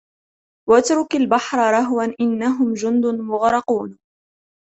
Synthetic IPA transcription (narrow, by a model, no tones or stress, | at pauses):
wat̪ɾʊkalbaħɾˤɑɾˤɑɦwanʔɪnːaɦʊmd͡ʒʊnd̪ʊnmʊɣɾˤɑquːn